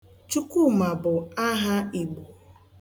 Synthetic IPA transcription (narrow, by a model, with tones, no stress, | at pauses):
t͡ʃu˦ku˦ma˨bʊ˨a˦ɦa˦i˨ɡ͡bu˨